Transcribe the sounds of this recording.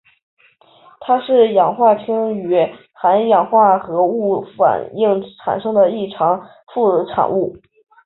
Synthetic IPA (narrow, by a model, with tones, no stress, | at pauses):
t̪ʰa˥ʂɻ̩˥˩jɑ˨˩ŋxwa˥˩t͡ɕʰi˥ŋy˧˥ | xa˧˥njɑ˨˩ŋxwa˥˩xɤ˧˥u˥˩fa̰˨˩ni˥˩ŋʈ͡ʂʰa̰˨˩nʂɤ˥ŋd̪ə˨i˥˩ʈ͡ʂʰɑ˧˥ŋ | fu˥˩˧ʈ͡ʂʰa̰˨˩nu˥˩